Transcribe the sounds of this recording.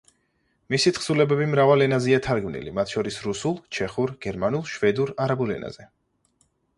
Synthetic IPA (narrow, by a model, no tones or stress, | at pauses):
misit̪ʰχsulɛbɛbimɾavalɛnaziat̪ʰaɾɡmnḭlḭmat̪ʰʃɔɾisɾusulˠt͡ʃʰɛχuɾɡ̥ɛɾmanulˠʃvɛd̪uɾaɾabulɛ̰nʔa̰z̥ɛ